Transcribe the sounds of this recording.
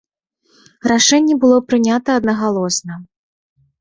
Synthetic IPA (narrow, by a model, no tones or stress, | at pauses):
raʂɛnʲːɛbɨlˠɔpɾɨnʲat̪ɐːd̪nɐɣalˠɔsnɐ